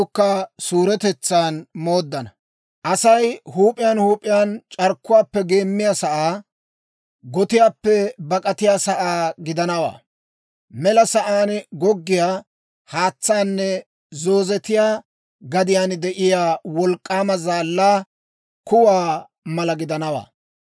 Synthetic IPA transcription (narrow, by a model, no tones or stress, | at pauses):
ʊkːɐsuːɾɛt̪ɛt͡sːaːnmo̞ːd̪ːɐnɐ | ʔɐsɐjhuːpʼːɪjaːnhuːpʼːɪjaːnt͡ʃʼɐɾkːʊwaːpːɛɡe̞ːmːɪjasɐʔaː | ɡɔt̪ɪjaːpːɛbɐkʼɐt̪ɪjaːsɐʔaːɡɪd̪ɐnɐwa̰ː | mɛlɐsɐʔaːnɡɔɡːɪjaː | haːt͡sːaːnːɛ | zo̞ːzɛt̪ɪjaː | ɡɐd̪ɪjaːnd̪ɛʔɪjaːwɔlkʼːaːmɐzaːlːaː | kʊwaː | mɐlɐɡɪd̪ɐnɐwa̰ː